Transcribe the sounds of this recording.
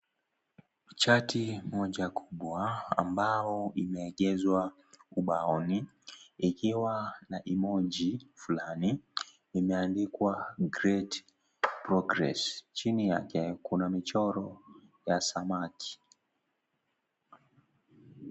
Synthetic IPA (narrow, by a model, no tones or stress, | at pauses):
t͡ʃatʰimɔʄakʰuɓwaa̰mbaɔimɛːɠɛzwa | uɓaɔniː | kiwanaʔimɔʄifulaniː | mɛandikwaɡɾɛt | pɾɔɡɾɛ̰st͡ʃinijakɛkunamit͡ʃɔɾɔjasamakʰi̥